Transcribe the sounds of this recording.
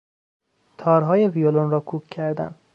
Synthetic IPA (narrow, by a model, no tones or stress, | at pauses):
t̪ʰɒːɾɦɒːjevijolonɾɒːkʰuːkʲʰːæɾd̪æ̰n